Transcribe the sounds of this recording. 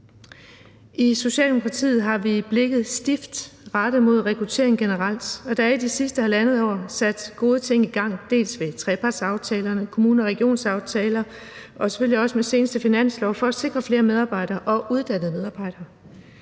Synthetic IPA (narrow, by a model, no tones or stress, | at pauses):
iso̝ɕɛ̰ːld̥emokʰʁɑ̈t͡sʰḭːð̩ˠɦɑ̈ʋib̥le̝ɡ̥ð̩ˠsd̥ifd̥ʁɑd̥ð̩ˠmo̝ð̞ˠʁɛkʰʁut͡sʰe̝̰ːɐeŋɡ̥enəʁɑl̰d̥ɒ̽d̥ɑæɐid̥isisd̥əhælænəð̩ˠɒ̰ːsæd̥ɡ̥o̝ːð̞ˠət͡sʰe̝ŋ̰iɡ̥ɑ̈ŋ̰d̥e̝̰ːlsʋe̝t͡sʰʁɛːpʰɑ̈ːd̥sɑ̈ʊt͡sʰɛːlɐnəkʰo̝muːnəɒʁɛɡ̥io̝̰ːnsɑ̈ʊt͡sʰɛːlɐ | ʔɒ̽se̥føliɒ̽səmese̝ːnəsd̥əfinæn̰slɒʊfɒ̽æse̝ɡ̥ʁɐfle̝ːɐmeð̞ˠɑ̈ːb̥ɑ̈ɪ̰ɾ̥ɐːʔɒ̽ʔuð̞ˠd̥æn̰ðˠmeðˠɑ̈ːb̥ɑ̈ɪ̰ɾ̥ɐː